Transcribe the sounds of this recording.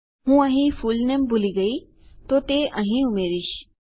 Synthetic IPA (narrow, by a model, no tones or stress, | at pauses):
ɦũːɐ̃ɦĩfuːlnembʊliɡɐi | t̪ot̪eʔɐ̃ɦĩumeːɾiʃ